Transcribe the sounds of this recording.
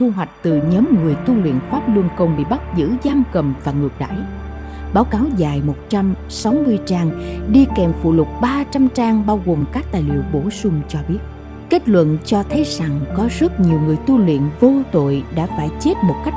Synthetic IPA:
t̪ʰu˧ɦwa˨˩jk̟̚t̪ɨ˨˩ɲɔː˨˦mŋɨ˨˩əjt̪u˧lwḭ˧˨ənfaː˦˥p̚lu˧ənkə˧wŋ͡mɓḭ˧˨ɓa˦˥t̚zɨ̰˧˥zaː˧mkə˨˩mvaː˨˩ŋɨ˨˩ək̚ɗa̰ː˧˩˨j | ɓaː˨˦wkaː˨˦wzaː˨˩jmo˨˩t̚t͡ɕa˧m | sa˨˦wmɨ˧əjt͡ɕaː˧ŋɗi˧kɛ˨˩mfṵ˧˨lʊ˨˩k͡p̚ɓaː˧t͡ɕa˧mt͡ɕaː˧ŋɓaː˧wɣo˨˩mkaː˦˥k̚t̪aː˨˩jlḭ˧˨əwɓo˧˩sʊ˧ŋ͡mt͡ɕɔ˧ɓi˦˥ət̚ | ke˦˥t̚lwə̰˧˨nt͡ɕɔ˧t̪ʰə˨˦jza˨˩ŋkɔ˨˦zə˦˥t̚ɲi˨˩əwŋɨ˨˩əjt̪u˧lwḭ˧˨ənvo˧t̪o̰˧˨jɗa̰ː˧˥faː˧˩jt͡ɕe˦˥t̚mo˨˩t̚ka˦˥k

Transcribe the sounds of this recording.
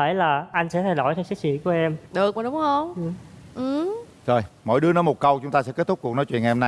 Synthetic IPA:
ə˧˩jlaː˨˩ʔa˧jŋ̟sɛ̰˧˥t̪ʰa˧jɗo̰˧˩jt̪ʰsa˦˥k̚sḭ˧˥ku˧˩əʔɛ˧mɗɨ˨˩ək̚maː˨˩ɗʊ˨˦ŋ͡mhə˧wŋ͡mʔɨ˧˩ʔɨ˨˩ | zo˨˩jmɔ̰˧˨jɗɨ˨˦ənɔ˨˦mo˨˩t̚kə˧wt͡ɕʊ˨˦ŋ͡mt̪aː˧sɛ̰˧˥ke˦˥t̚t̪ʰk͡p̚kknɔ˨˦jt͡ɕwḭ˧˨əŋʔɛ˧mna˧

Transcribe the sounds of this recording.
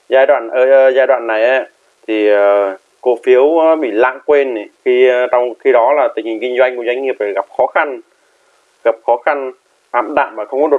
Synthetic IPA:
zaː˧jɗwa̰ː˧˨nʔəː˧˩˨zaː˧ɗwa̰ː˧˨nːa˨˩jʔa˨˦ | t̪ʰi˨˩ə˨˩ | ko˨˦fi˨˦əwɓḭ˧˨la̰ː˧˨ŋkwe˧nːi˨˩xi˧t͡ɕɔ˧wŋ͡mxi˧ɗɔ˨˦laː˨˩t̪ï˨˩ŋ̟hi˨˩ŋ̟kï˧ŋzwa˧jŋ̟ku˧˩əzwjŋ̟ŋi˨˩əp̚faː˧˩ɣa˨˩p̚xɔ˨˦xa˧n | ɣa˨˩p̚xɔ˨˦xa˧n | ʔa̰ː˧˨mɗa̰ː˧˨mmaː˨˩xə˧wŋ͡mkɔ˨˦ɗo˨˩

